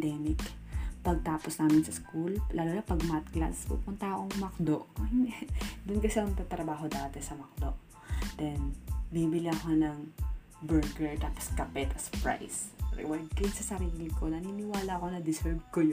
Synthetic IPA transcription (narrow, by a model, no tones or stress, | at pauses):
d̪ɛːmɪkpɐɡ̚t̪aːposnaːmɪnsɐskullʔaːlonɐpɐɡ̚mat̪̚kla̰spɐ̰pʊnt̪aɐʔoŋmɐkd̪o̞ʔɐ | d̪ʊnkɐsɛɐŋt̪at̪ɾɐbaːɦo̞d̪aːt̪ɛsɐmɐk̚d̪oʔ | d̪̥ɛnbibɪliɐkonɐŋ | bɛɹd̪̚ɡɾɛt̪aːpɐ̥skɐpɛt̪ɐspɹa̰jsɾɛ̰waɹd̪̚kɐjonsɐsɐɾiːlɪkonɐninɪwaːlɐʔɐko̞nɐd̪ɪsɛɹb̚koj